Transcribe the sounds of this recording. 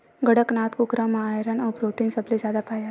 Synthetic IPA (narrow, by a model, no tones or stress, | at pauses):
ɡəɽəknat̪kukɾamaːjɾənɔbɾoːʈiŋɡsəblizaːd̪apaːja